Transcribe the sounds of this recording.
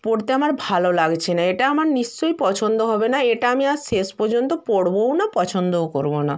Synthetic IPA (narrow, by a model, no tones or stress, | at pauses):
poɽt̪eamaɾbʱalolaɡt͡ɕʰenaeʈaamaɾniʃt͡ɕojpɔt͡ɕʰond̪oɦɔbenaeʈaamiaɾʃeʃpɔɾd͡ʑont̪opoɽbownapɔt͡ɕʰond̪ooko̰ɾbona